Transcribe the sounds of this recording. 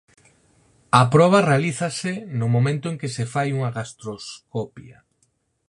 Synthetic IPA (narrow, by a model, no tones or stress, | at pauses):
ɐpɾɔβ̞ɐrealiθɐsɪnʊmomẽnt̪ʊẽŋkɪsefajuŋɐɣast̪ɾoskɔpjɐ̰